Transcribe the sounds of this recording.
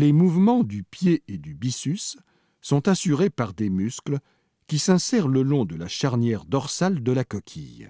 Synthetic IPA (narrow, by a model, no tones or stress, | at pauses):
lemuvmɑ̃d̪ypjeed̪ybisysː | ɔ̃t̪asyʁepaʁd̪emysklə | kʲisɛ̃sɛʁləlɔ̃d̪əlaʃaʁnjɛʁd̪ɔʁsald̪əlakɔkʲʰḭj